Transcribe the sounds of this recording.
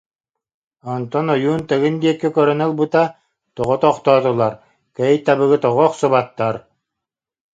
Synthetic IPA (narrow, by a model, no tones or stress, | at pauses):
ɔnt̪ɔnɔjuːnt̪ɛɡɯnd̪iɛkːɛkœɾœnɛlˠbɯt̪a | t̪ɔʁɔt̪ɔχt̪ɔːt̪ɔlˠaɾ | kɛjt̪abɯɣɯt̪ɔʁɔːχsɔβat̪ːaɾ